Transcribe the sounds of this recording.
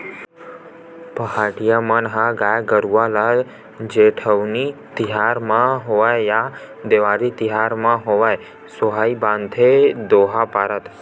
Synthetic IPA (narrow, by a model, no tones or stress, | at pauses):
pəɦaʈijamənɦãɡajɡəɾuʋala | d͡ʒeʈʰəʋnit̪iɦaɾmãɦoʋajja | d̪eʋaɾit̪iɦaɾmãɦoʋaj | soɦaibãnd̪ʱʰed̪oɦapaɾət̪